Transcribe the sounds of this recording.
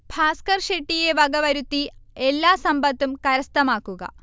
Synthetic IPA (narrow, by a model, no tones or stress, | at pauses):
bʱaːskɐrʂeʈːije̞ʋɐɡɐʋɐɾut̪ːielːaːsɐmbɐt̪ːumkɐɾɐst̪ɐmaːkːuɡɐ̰